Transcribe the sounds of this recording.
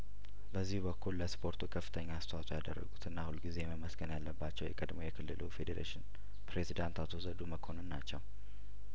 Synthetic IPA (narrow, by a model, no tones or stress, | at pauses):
bəzːihbəkʰːulləspʰo̞ɾt̪ʰukʰəfːɨt̪ʰəɲːaːst̪ʰwasʼujad̪ərːə̰ɡut̪ʰɨnːahulɡize̞jɛməməsɡənjalːəbːat͡ʃːɛwjɛkʼəd̪mojɛkʰɨlːɨlufed̪eɾḛʃɪn | pɾezid̪ant̪ʰat̪ʰozəd̪uməkʰo̞nɨnːat͡ʃːɛw